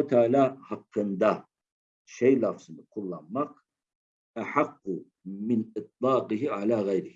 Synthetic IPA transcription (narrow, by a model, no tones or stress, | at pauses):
t̪aːlahɑqːɨnd̪a | ʃɛjlafzˤmikʰʊlːamːaq | ʔaħɑqːʊ | mɪnɨt̪ˤlɑːqɪɦiʕalaːɣajɾɪh